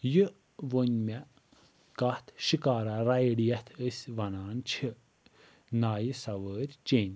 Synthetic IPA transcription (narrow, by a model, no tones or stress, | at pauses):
jɨ | ʋonʲmɛ | kat̪ʰʃikaːɾaɾajɽijɛt̪ʰəsʲʋɐnaːnt͡ʃʰi | naːjisɐʋəːɾʲt͡ʃeːnʲ